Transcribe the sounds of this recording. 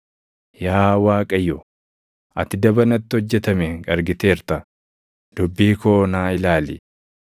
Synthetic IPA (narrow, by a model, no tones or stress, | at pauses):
jaːwaːkʼɐjɔ | ʔɐt̪ɪd̪ɐbɐnɐt̪ːɪɔd͡ʒːɛt̪ɐmeːŋkʼɐɾɡɪt̪eːɾt̪ɐ | d̪̥ʊbːiːkoːnaːɪlaːlɪ̰